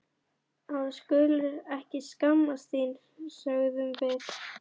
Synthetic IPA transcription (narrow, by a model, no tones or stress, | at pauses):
aðskʏlʏɛhcɪskamːast̪iːnɾsœɣðʏmvɪɾ